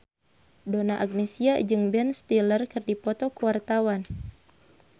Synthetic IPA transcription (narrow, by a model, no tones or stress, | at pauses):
donaʔaɡ̚nesiad͡ʒɨŋbɛnst̪ilərkɨrdipɔt̪ɔkuwart̪awan